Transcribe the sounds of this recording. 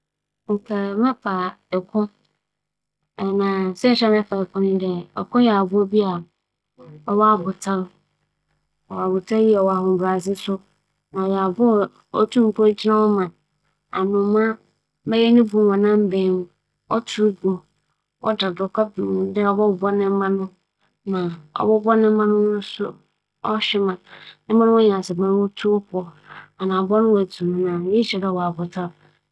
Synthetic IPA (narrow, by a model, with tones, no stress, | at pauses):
ŋ̩˨kʰɛ˨˦mɛ̃˦pʰa˨ | ɛ˨kʰʊ̃˦ | ɛ˨nã˨sɛ˦n̩˨ɕᶣɛ˦mɛ̃˦pʰa˨ɛ˨kʰʊ̃˦nɪ̃˦dɛ˨ɛ˨kʰʊ̃˦jɛ˨a˨bʊ˦o˦bi˦a˨ | ɔ˦wa˦˨bʊ˨tʰa˦l | ɔ˨wa˨bʊ˨tʰa˦ji˦ɛ˨wɔ˨a˨hʊ̃˨m̩˨ba˨sɪ˦sʊ˦ | nã˨jɛ˨a˨bʊ˦˨ | ɔ̰˦tʰu˦m̩˦kʰo˦d͡ʑnã˦wɔ˦mã˨ | a̰˨nʊ̃˨mã˦ | bɛ˦jɛ˦nɪ̃˦bũ˨wɔ̃˨nã˦m˦bẽ˨˦n˦ | ɔ˦tʰu˦ɡu˨ | wɔ̰˦da˨dʊ˨kʰʷa˦bĩ˨dɪ˦ɔ˨bɔ˦˨bɔ˦nɪ̃˦m̩˦mã˦nʊ̃˦ | nã˨ɔ̰˨bɔ˦bɔ˦nɪ̃˦m̩˦mã˦nʊ̃˦ʊ̃˦sʊ˦ | ɔ˦ɕᶣɪ˦mã˨nɪ̃˦mã˦nʊ̃˦ɔ˦ɲã˨a˨sɛ˨bã˦n˦wɔ˦tʰu˦ɔ˦kʰɔ˦ | a˨nã˨bɔ˦nʊ̃˦wtʰu˨m˦nã˨ji˦ɕɛ˨dɛ˦˨wɔ˨a˨bʊ˨tʰa˦